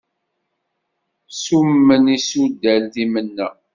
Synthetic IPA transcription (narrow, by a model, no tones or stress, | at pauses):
sumːənisud̪ːælðimənːæ